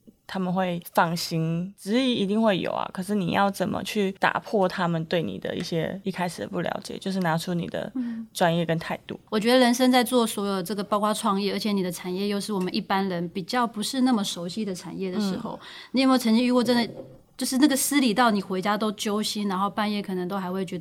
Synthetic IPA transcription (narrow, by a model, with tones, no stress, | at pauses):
t̪ʰa˥mə˨nxwe˥˩ɪfɑ˥˩ŋɕi˧˥ŋt͡sɻ̩˧˥i˧˥i˧˥t̪i˥˧ŋxwe˥˩ɪjo̰˨˩ʊɐ̰˩kʰɤ˨˩ʂɻ̩˥˩nḭ˨˩jɑ̰˥˩ʊt͡sə˨˩nmə̰˦t͡ɕʰy˥˩t̪a̰˨˩pʰwɔ˥˩t̪ʰa˦˥mə˨nt̪we˥˩ɪnḭ˨˩d̪ə̰˦ḭ˥˩ɕjɛ̰˦i˥˩kʰa˥ɪʂɻ̩˨˩d̪ə˩pu˥˩ljɑ̰˧˥ʊt͡ɕjɛ̰˨˩t͡ɕjo˥˧ʊʂ̬ɻ̩˥˩na˧˥ʈ͡ʂʰu˥nḭ˨˩d̪ə̰˩ʈ͡ʂwa˥njɛ˥˩kə˧˥nt̪ʰa˥˧ɪtt̪ṵ˥˩wɔ˨˩t͡ɕɥɛ˧˥d̪ə˧ɻə˧˥nʂə˥ŋt͡sa˥˧ɪt͡swɔ˥˩swɔ˧˥jo˨˩ʈ͡ʂɤ˥˩ɡə˩pɑ˥ʊkwa˥ʈ͡ʂʰwɑ˥˧ŋjɛ˥˩ə˞˧˥t͡ɕʰɛ˧˥˦ni˨˩d̪ə˦ʈ͡ʂʰa˨˩njɛ˥˧jo˥˧ʊʂɻ̩˥˩wɔ˨˩mə˦nʔi˥˩pa˦nɻə˧˦˥npi˨˩t͡ɕjɑ˥˩ʊpu˧˥ʂɻ̩˥˧na˥˩mə˨˩ʂo˧˥ʊɕi˥d̪ə˨ʈ͡ʂʰa̰˨˩njɛ˥˩d̪ə˩ʂɻ̩˧˥xo̰˥˧ʊni˨˥m˥˩t͡sʰə˧˥ŋt͡ɕi˥ɻu˧˥kwɔ˥˩ʈ͡ʂə˥nd̪ə˨˩ | t͡ɕjo˥˧ʊʂɻ̩˥˧na˥˩ɡə˩sɹ̩˥li˨˩t̪ɑ˥˩ʊni˨˩xwe˧˥ɪt͡ɕja˥t̪o˥ʊt͡ɕjo˥ʊɕi˥nɻa˧˥nxo˥˧ʊpa˥˧njɛ˥˩kʰɤ˨˩nə˧ŋt̪o˥ʊxa˧˥ɪxwe˥˩ɪt͡ɕɥɛ˧˥d̪ə˧